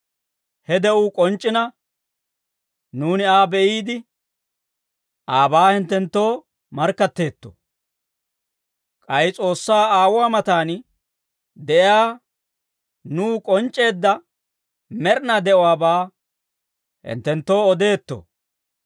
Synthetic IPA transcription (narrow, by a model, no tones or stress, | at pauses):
hɛd̪ɛʔuːkʼɔnt͡ʃʼːɪnɐ | nuːnɪaːbɛʔiːd̪ɪ | aːbaːhɪnt̪ːɛnt̪ːo̞ː | mɐɾkːɐt̪ːe̞ːt̪ːo̰ | kʼɐjt͡sʼo̞ːsːaːaːwwaːmɐt̪aːn | d̪ɛʔɪjaː | nuːkʼɔnt͡ʃʼːe̞ːd̪ːɐ | mɛɾnɐd̪ɛʔɔwaːbaː | hɪ̰nt̪ːɛnt̪ːo̞ːɔd̪e̞ːt̪ːo̰